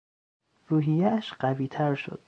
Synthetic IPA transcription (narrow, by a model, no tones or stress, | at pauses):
ruːɦijææʃɢæviːt̪ʰæɾʃo̰d̪̥